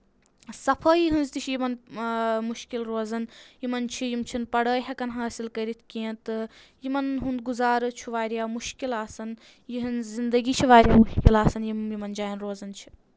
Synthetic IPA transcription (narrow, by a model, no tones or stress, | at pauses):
sɐpʰəjiɦɨnzt̪it͡ʃʰijimɐn | muʃkilɾoːzɐnjimɐnt͡ʃʰijimt͡ʃʰinpɐɽəːjɦɐkɐnɦaːsilkɐɾit̪ʰkient̪jimɐnɦund̪̚ɡuzaːɾɨt͡ʃʰuʋaːɾʲjaːmuʃkilaːsɐn | jiɦɨnzind̪ɐɡit͡ʃʰiʋaːɾʲjaːmuʃkilaːsɐnjimjimɐnd͡ʒaːjɐnɾoːzɐnt͡ʃʰi̥